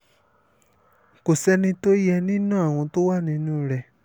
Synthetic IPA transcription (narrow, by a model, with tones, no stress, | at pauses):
ko˨sɛ˧nĩ˧to˦ɾi˦ɛ˧nĩ˦nãː˦˨w̃ɔ̃˧to˦wa˦˨nĩ˧nũ˦ɾɛ˨